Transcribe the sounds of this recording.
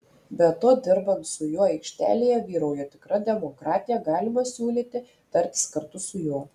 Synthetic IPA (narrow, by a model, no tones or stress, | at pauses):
bʲɛt̪oːd̪ʲɪɾbɐnt̪sʊjuɔɐɪkʃʲt̪ʲæ̰ːlʲeːjɛʋʲiːɾɐʊjɛt̪ʲɪkɾɐd̪ʲɛmoːkɾɑːt̪ʲɪjɛɡɑːlʲɪmɐsʲuːlʲiːt̪ʲɪ | t̪ɐɾʲt̪ʲɪ̥skɐɾt̪ʊsʊjuɔ